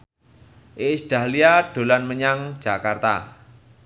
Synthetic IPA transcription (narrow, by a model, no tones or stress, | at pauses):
ʔɪsɖ̥a̤hliaɖ̥o̤lanməɲaŋ̥d͡ʒ̥a̤kart̪a̰